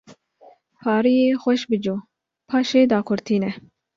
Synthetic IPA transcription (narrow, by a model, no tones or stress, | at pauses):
fɑːɾijeːxʷɛʃbɨd͡ʒoː | pʰɑːʃeːd̪ɑːkʰʊɾt̪ʰiːnɛ